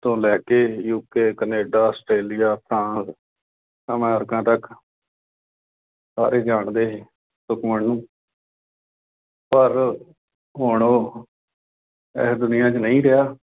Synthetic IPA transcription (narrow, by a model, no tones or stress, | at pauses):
t̪õːlɛːkeːjuːkeːkəneːɖaːəsʈɾeːlɪjaːt̪ʰãːs | əmɛːɾkãːt̪ək | saːɾeːd͡ʒaːɳd̪eː | sʊkməɳnũː | pəɾ | ɦoːɳoː | ɛ̰ːsd̪ʊnɪjãːt͡ʃnəĩːɾɪjaː